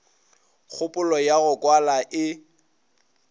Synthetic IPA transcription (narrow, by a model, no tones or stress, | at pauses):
k͡xʰʊpʼʊlɔjaɣʊkʼwalaʔɪ